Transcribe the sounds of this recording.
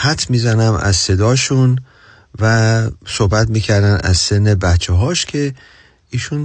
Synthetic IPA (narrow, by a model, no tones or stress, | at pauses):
hæt̪ʰmiːzænæmæ̰zse̞d̪ɒːʃun | væsohbæt̪miːcʰæɾd̪ænæ̰zsenːe̞bætt͡ʃʰeɦɒːʃcʲʰe̞ | iːʃun